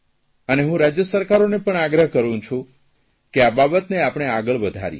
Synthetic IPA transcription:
əneɦũɾad͡ʒjəsəɾkaɾonepəɳaɡɾəɦkəɾũt͡ʃʰũ | keababət̪neapɳ̃eaɡəɭʋəd̪ʱa̰ɾjḛ

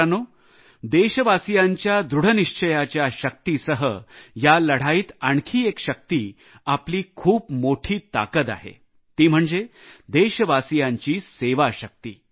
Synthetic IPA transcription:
no | d̪eɕəʋasijaɲt͡ɕjad̪ɾuɽ̤əniʂt͡ɕʰəjat͡ɕjaɕək̚t̪isəɦəjaləɽ̤aiːt̪aɳkʰiːekɕək̚t̪iː | apliːkʰuːpmoʈʰiːt̪a̰kət̪a̰ɦḛ | t̪iːm̤əɳd͡zed̪eɕəʋasijaɲt͡ɕiːseʋaɕək̚t̪ḭː

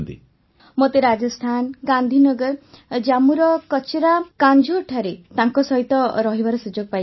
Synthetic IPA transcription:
nt̪ḭ | mot̪eɾad͡ʒɔst̪ʰanɡand̪ʱinɔɡɔɾd͡ʒamuɾɔkɔt͡ʃʰeɾakand͡ʒʱoʈʰaɾet̪aŋkɔsɔɦit̪ɔɾɔɦibʱaɾɔsud͡ʒoɡɔpaj

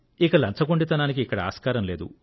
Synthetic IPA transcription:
ikɐlɐnt͡ʃɐɡoɳɖit̪ɐnaːnik̬iːkːɐɽɐa̰ːskaːɾɐmle̞ːd̪ṵ

